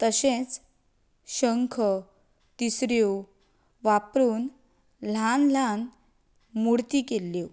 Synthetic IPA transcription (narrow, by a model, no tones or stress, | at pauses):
t̪əɕẽt͡s | ɕəŋkʰə | t̪isɾjo | ʋapɾuːn | l̤anlan | muɽt̪iːkelːo